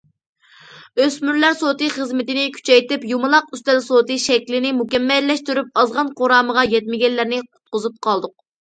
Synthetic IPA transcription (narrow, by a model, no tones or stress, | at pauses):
øsmyɾlæɾsot̪ɨχəzmɪt̪ɪnɪkʲʰy̥t͡ʃʰɛjt̪ɪpjumɨlˠɑq̚yst̪ɛlsot̪ɨʃɛkʲlɪnɪmukʲɛmːɛlːɛʃt̪yɾyp̚ɑzʁɑnqoɾɑːməʁɑjɛt̪mɪɡʲɛnllːæɾnɪqʰʊ̥t̪̚qʊzup̚qʰɑlˠd̪ʊq̚